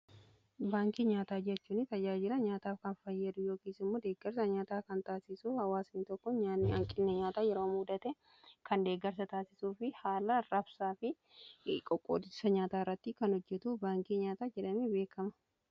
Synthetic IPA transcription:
baːŋkiɲaːt̪aːd͡ʒɛt͡ʃːuːnːɪt̪ɐd͡ʒaːd͡ʒɪɾɐɲaːt̪aːfkɐnfɐjːɐd̪ʊjo̞ːkiːsɪmːo̞ːd̪eːɡːɐɾs̬ɐɲaːt̪aːkɐnt̪aːsɪsuhɐwaːsnɪt̪ɔkːɔɲaːnːɐŋkʼɪnːɛɲaːt̪aːjɛɾo̞ːmuːd̪ɐt̪ɛ | kɐnd̪e̞ːɡɐɾs̬ɐt̪aːsɪsuːfɪhaːlɐɾɐbsaːfɪ | kʼɔkʼːo̰ːd̪ɪsɐɲaːt̪aːrːɐt̪ːɪkɐnɔd͡ʒːɛt̪ubaːŋkiɲaːt̪aːd͡ʒɛᶑɐmibe̞ːkɐmɐ̥

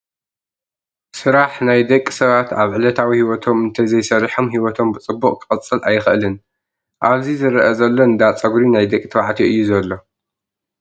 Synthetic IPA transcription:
sɨɾaħnajd̪ɐkʼːsɐβat̪ʰa̰βʕɨlɐt̪ʰawihiwɔt̪ʰo̞mɨnt̪ʰɐzɐjsɐɾiħomɦiwɔt̪ʰo̞mbɨt͡sʼɨbːuqʼkʰɨɐt͡sʼːɨlʔajxʔlɨn | ʔaβzizɨɾɐʔɐzɐlːo̞nd̪at͡sʼɐɡɾinajd̪ɐkʼt̪ʰβaʕt̪ʰiʔɨjːuzɐlːo̞

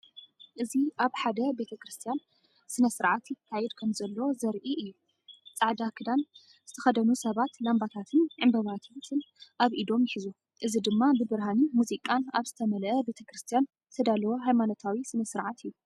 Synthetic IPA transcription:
ʔɨziʔaβħad̪ɐbe̞t̪ʰɐkɾɨst̪ʰijan | sɨnɐsɨɾʕat̪jɪkʰːajɛd̪kʰɐmzɐlːɐozɐɾʔiʔɨjːu | t͡sʼaʕd̪akʰɨd̪an | zɨt̪ʰɐ̥xɐd̪ɐnusɐβat̪lambat̪ʰat̪ʰɨnʕɨmbɐβat̪ʰat̪ʰɨnʔaβʔid̪o̞mjɪħizu | ʔɨzid̪ɨmːabɨbɨɾɦanimuzikʼanaβzɨt̪ʰɐmɐlɐʔɐbe̞t̪ʰɐkɾɨst̪ʰijan | zɨt̪ʰɐd̪alɐwoɦajmano̞t̪ʰawisɨnɐsɨɾʕat̪ʰɨjːu

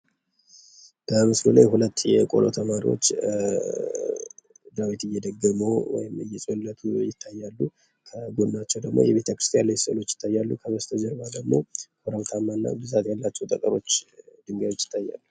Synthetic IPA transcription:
b̥əmɨslula̰jhulət̪ːjɛkʼo̞̰lot̪ʰəmaɾḭwo̰t͡ʃː | d̪ɾawit̪ɨjːɛd̪əɡːəmowɔjɪmɨjːɛsʼwolːət̪ʰujɪt̪ʰːajːalːu | kʰəɡod̪nat͡ʃːɛwd̪əɡmo̞̰jɛβe̞t̪ʰəkɾɨst̪ʰʼijanlːəsəlo̞t͡ʃːjɪ̥t̪ʰːajːalːukʰəβəst̪ʰəd͡ʒəɾbad̪əɡmo̞̰kʰoɾəβt̪ʰamːanːa̰bɨzat̪jalːat͡ʃːɛwt̪ʼəkʼəɾo̞t͡ʃːd̪ɨŋɡao̞t͡ʃːɪt̪ʰːajːa̰lːu

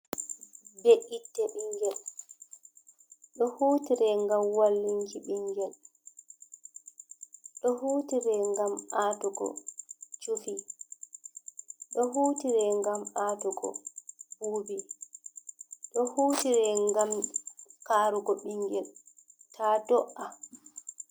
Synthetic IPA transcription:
beʔitːɛɓiŋɡɛl | ɗɔhuːtiɾɛŋɡamwalːiŋkiɓiŋɡɛl | ɗɔhuːtiɾɛŋɡamatɔɡɔ̰t͡ʃufi | ɗɔhutiɾɛŋɡamatɔɡɔ̰huːbi | ɗɔhuːtiɾɛŋɡamkaːɾuɡɔɓiŋɡɛltʰatɔʔa

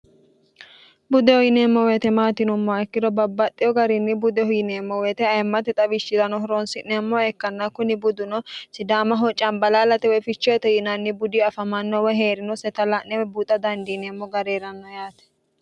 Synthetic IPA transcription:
bʊd̪ɛhɔjɪneːmːɔweːt̪ɛmaːt̪ɪnʊmːɔɛkːɪd̪ɔbɐbːɐt̪ʼːɪjɔɡɐɾɪnːɪbʊd̪ɛhɔjɪneːmːɔwet̪ɛɐjmːɐt̪ɛt̪ʼɐbɪʃɪd̪ɐnɔɦɔɾɔnsɪʔnɛmːɔɛkːɐnːɐkʊnɪbʊd̪ʊnɔsɪd̪aːmɐɦɔt͡ʃʼːɐnbɐlaːlɐt̪ɛwɔjfɪt͡ʃːɔjɛt̪ɛjɪnɐnːɪbʊd̪ɪɐfɐmɐnːɔwɔjɦe̞ːɾɪnɔsɛt̪ɐlɐnːɛwɛbuːt̪ʼɐd̪ɐnd̪ineːmːɔɡɐɾeːɾɐnːɔjaːt̪ɛ̥

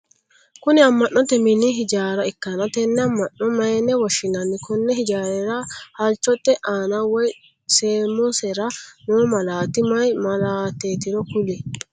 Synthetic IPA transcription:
kʊnɪɐmːɐnːɔt̪ːɛmɪniɦɪd͡ʒaːɾɐɪkːɐnɐt̪ɛnːɛɐmːɐnːɔmɐjɛnɛwɐʃɪnɐnːɪkɔnːɛhɪd͡ʒaːɾɛɾaːhɐlt͡ʃːɔt̪ːɛʔaːnawɔj | seːmɔsɛɾanomɐlaːt̪ɪmɐjmɐlaːt̪eːt̪ɪnɔkʊlɪ

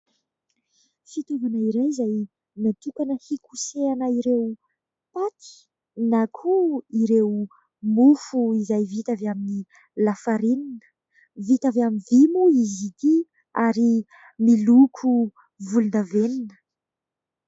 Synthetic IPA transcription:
fit̪ovanəiɾajizaj | mat̪ukanəhikuseanəiɾew | pat̪i̥ | nakʰuiɾew | mufuizajvit̪avamini | lafaɾininə̥ | vit̪avamivimuizit̪i | aɾi | milukʰu | vulund̪aveninə̥

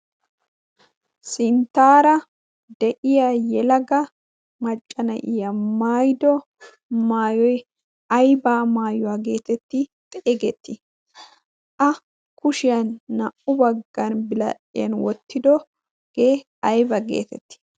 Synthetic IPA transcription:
sɪnt̪ːaːɾɐ | d̪ɛʔɪjajɛlɐɡɐ | mɐt͡ʃʼːɐnɐ̰ʔɪjɐmaːjd̪ɔ | maːjɔj | ɐjbaːmaːjɔwaːɡe̞ːt̪ɛt̪ːɪt̪ʼɛʔɛɡɛt̪ːɪ | ʔɐ | kʊʃɪjɐnːɐʔʊbɐɡːɐnbɪlɐ̰ʔɪ̰jɐ̰nwɔt̪ːɪd̪ɔ | ɡ̥eː | ɐjbɐɡḛːt̪ɛt̪ːɪ̥

